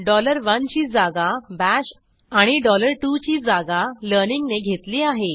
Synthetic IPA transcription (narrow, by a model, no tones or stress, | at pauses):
ɖɔləɾʋənt͡ɕiːd͡zaɡabæɕ | aɽ̃iɖɔləɾʈut͡ɕiːd͡zaɡaləɾniŋɡneɡʱet̪liːaɦe